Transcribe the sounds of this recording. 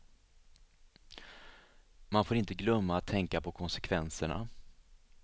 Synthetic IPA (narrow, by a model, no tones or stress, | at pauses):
manfoːɾɪnt̪əɡlœmːaːt̪ʰːɛŋkapʰɔkʰɔnsɛkʰvɛnsəɳa̰